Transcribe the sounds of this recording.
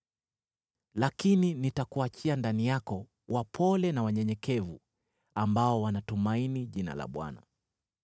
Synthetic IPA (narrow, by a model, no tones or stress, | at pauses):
lakininitakuat͡ʃiandanijakɔ | wʔapʰɔlɛnawaɲɛɲɛkɛvṵ | ambaɔwanatumainiʄina̰la̰ɓwa̰na̰